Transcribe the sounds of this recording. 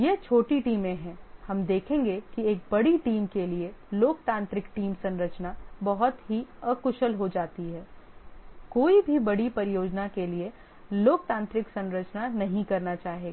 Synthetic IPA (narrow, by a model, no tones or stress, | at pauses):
jet͡ʃʰoːʈiʈiːmẽɦɛ̃hɐmd̪eːkʰẽːŋɡekieːk̚bɐɽiʈiːmkelieloːk̚t̪ãːnt̪ɾɪkʈiːmsɐ̃nɾət͡ʃnabɐɦʊt̪ɦiəkʊʃəlɦod͡ʒaːt̪iɦɛː | koːibʱibɐɽipɐɾɪjoːd͡ʒnakelie | loːkt̪ãːnt̪ɾɪksɐ̃nɾət͡ʃnanɐɦĩkɐɾnat͡ʃaːɦeːɡaː